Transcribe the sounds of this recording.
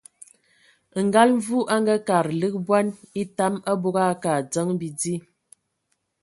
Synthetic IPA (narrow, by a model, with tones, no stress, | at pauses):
ŋ̩˨ɡa˦lɱ˦vu˦ʔa˦ŋɡa˦ka˨ɾlə˦k̚bwa˦ni˦ta˦ma˦bo˦ɡa˦ka˨d͡zə˦ŋbi˨di˦